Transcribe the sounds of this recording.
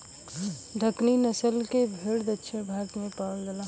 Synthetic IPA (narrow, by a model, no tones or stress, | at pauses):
ɖ̪ʱəkninɐsəlkebʱeːɽd̪ətːʃʰebʱaːt̪mẽpaːld͡ʒəlaː